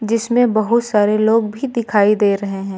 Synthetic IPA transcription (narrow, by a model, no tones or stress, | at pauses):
d͡ʒɪsmẽbɐɦʊt̪saːɾeloːɡbʱid̪ɪkʰaːid̪eːɾɐɦeɦɛ̃ː